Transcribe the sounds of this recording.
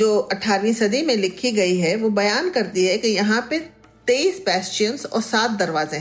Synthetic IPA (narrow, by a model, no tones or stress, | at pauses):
d͡ʒoːɐʈʰːaːɾʋĩsɐd̪ʱimẽlɪkʰːiɡɐiɦɛʋobɐjaːnkɐɾt̪iɦɛkijɐɦãpe | t̪eiːspɛːst͡ʃijənsɔ̰ːɾsaːt̪̚d̪ɐɾʋaːzẽɦ